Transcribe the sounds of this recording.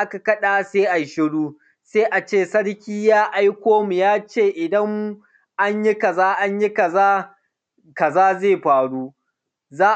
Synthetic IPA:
ʔa˦ka˨kɐ˦ɗaː˨seː˦ʔa˨ʃɪ˦ɽuː˦ | seː˦ʔa˨t͡ʃeː˦˨sɐ˦ɽkʲiː˦jaː˦ʔa˦jkʷoː˦mu˨jaː˦t͡ʃeː˦˨ʔɪ˨dɐ˦ŋ˦ | ʔa˦ɲjɪ˦kɐ˨zaː˦ʔa˦ɲjɪ˦kɐ˨zaː˦ | kɐ˨zaː˦zeː˦˨ɸaː˨ɽuː˦ | zaː˦

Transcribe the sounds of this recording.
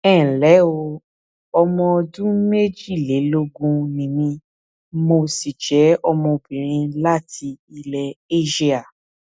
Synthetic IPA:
ɛː˦˨lɛ˨˦o˧ | ɔ˧mɔ̃˧ɔ˧dũ˦me˦d͡ʒi˦˨le˨˦lo˧ɡũ˧nĩ˨mĩ˧ | mo˧si˨d͡ʒɛ˨˦ɔ˧mɔ̃˧o˧˨bĩ˨ɾ̃ĩ˧la˦ti˧i˧lɛ˧e˦ʃi˧˦a˨

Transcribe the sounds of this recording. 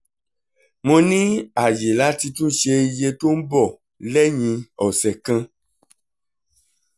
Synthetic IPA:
mõ˧nĩ˦a˨je˨la˨˦ti˧tũ˦ʃe˧i˧je˧to˦n̩˦bɔ˦˨ | lɛ˦ɲ̃ĩ˧ɔ˨sɛ˨kã˧

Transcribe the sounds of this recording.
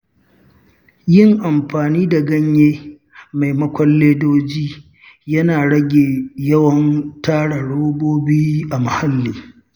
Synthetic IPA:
jɪ˦˨ŋʔa˨mɸaː˨niː˦da˨ɡɐ˦ɲjeː˦ | ma˨jmɐ˦kʷɔ˦lːeː˦doː˦d͡ʒiː˦ | jɐ˦naː˨ɽɐ˦ɡʲeː˨jɐ˦wɐ˦ntaː˦ɽa˨ɽoː˦boː˦biː˦ʔa˨mɐ˨ha˦lːiː˨

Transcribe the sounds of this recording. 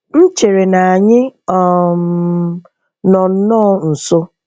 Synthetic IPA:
n̩˦t͡ʃe˨ɾe˨na˨a˨ɲɪ˦ɔ˨ | nɔ˨n̩˦nɔ˦n̩˨so˦

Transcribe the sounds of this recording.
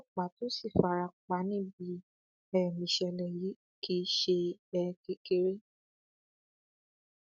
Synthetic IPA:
ɔ˦˨k͡pa˨˦to˦si˦˨fa˨˦ɾa˧˨k͡pa˨˦nĩ˦bi˨˦ | ɛ˦˨mĩ˨ʃɛ˧lɛ˨ji˨˦ | kʰi˦ʃe˧ɛ˧ke˧˦ke˧ɾe˦

